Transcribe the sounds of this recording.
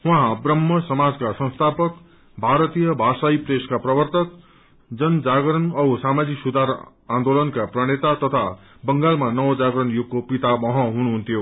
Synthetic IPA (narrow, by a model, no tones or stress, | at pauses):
wʌ̃ɦãbrʌmːʌsʌmad͡zkasʌ̃nst̪ʰapʌk | bʱaɾʌt̪ijʌbʱasaipreskaprʌbʌrt̪ʌk̚ | d͡zʌnd͡zaɡɾʌnʌusamad͡ziksud̪ʱaɾ | ãnd̪olʌnkaprʌɽ̃et̪at̪ʌt̪ʰa | bʌŋɡalmanʌwd͡zaɡɾʌnjuɡ̚kopit̪abʌɦʌ̃ɦunuɦunt̪ʰjo